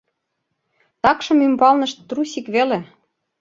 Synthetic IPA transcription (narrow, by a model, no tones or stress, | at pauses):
t̪ɑkʃɤ̆mymbɑlnɤ̆ʃt̪ːrusikβele